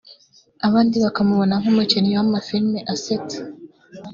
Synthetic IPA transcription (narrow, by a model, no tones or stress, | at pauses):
aβaːndiβakamuβo̞naŋ̥umucenijowamafiɾmeʔasetḁ